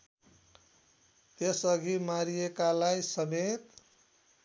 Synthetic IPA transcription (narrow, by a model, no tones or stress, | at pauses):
t̪esʌɡʱimaɾiekalajsʌmet̪